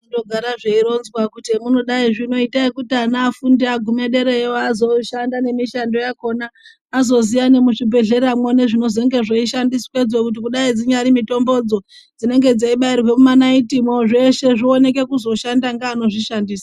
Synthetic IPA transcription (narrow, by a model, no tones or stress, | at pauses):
udoɡʱaɾaʐeiɾo̞nzwakutimuno̞ɗaiʐino̞itaikutianaːfundiaɡʱume̞ɗe̞ɾeoazo̞ʃandane̞miʃando̞jako̞naː | zo̞zijane̞muʂibʱe̞ɮe̞ɾamwone̞ʐino̞ze̞ŋɡe̞ʐeiʃandiswed͡zo̞kut̬ikuɗaid͡ziɲaɾimito̞mbo̞d͡zo̞ | d͡zine̞ŋɡe̞d͡zaiɓairwe̞mumanaitimoʐe̞ʃe̞ʐio̞ne̞k̬e̞kuzo̞ʃandaŋɡaːno̞ʐiʃandiːsḁ